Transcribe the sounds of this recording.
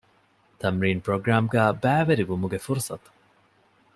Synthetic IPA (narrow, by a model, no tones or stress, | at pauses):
t̪ɐmɾiːnpɾoɡɾaːmɡæːbæːʋɐɾiʋumuɡefuɾsɐt̪u̥